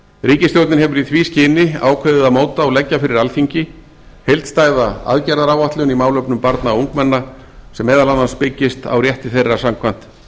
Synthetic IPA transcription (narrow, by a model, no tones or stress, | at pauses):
ɾiːcɪst̪jowt̪nɪnɦɛvʏɾiθviːscɪnɪa̰ːwkʰvœɥðɪðaðmoːwt̪aɔɣlɛcːafɪɾɪɾalfiɲcɪ | hejlt̪st̪aːjðaa̰ðcɛɾðaɾaːwvaht̪lʏnimaːwlœpnʏmpaɾt̪nauŋkmɛnːa | sɛmːɛːðalanːanspɪcːɪst̪a̰wrjɛht̪ɪθejrːasamkʰvan̥t̪